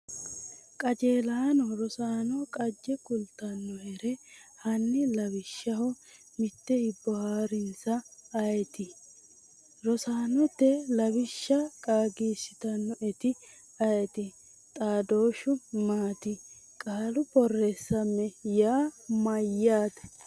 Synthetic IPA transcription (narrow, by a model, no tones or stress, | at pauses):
kʼɐd͡ʒeːlaːnɔɾɔsaːnɔkʼɐd͡ʒːɛkʊlt̪ːɐnːɔɛɾɛhɐnːɪlɐbɪʃːɐhɔ | mɪt̪ːɛhɪbːɔhaːɾɪnsɐːjɛt̪ɪ | ɾɔsaːnɔt̪ːɛlɐbɪʃːɐkʼaːɡiːsɪt̪ɐnːɔɛt̪ɪ | ɐjɛt̪ɪ | t̪ʼaːd̪o̞ːʃʊmaːt̪ɪ | kʼaːlʊbɔrːeːsːɐmːɛjaːmɐjːaːd̪ɐ̥